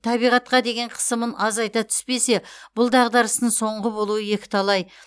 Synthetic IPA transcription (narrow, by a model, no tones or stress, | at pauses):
t̪ʰɑbijʁɑt̪̚qɑd̪e̞ɡʲe̞ɴqʰə̥səmənʔɑzɑjt̪ɑt̪ʰʏ̥spe̞se̞b̥ʊlˠd̪ɑʁd̪ɑɾəst̪əɴso̞ɴʁəbo̞lˠuwəje̞kʲɪ̥t̪ʰɑlˠɑj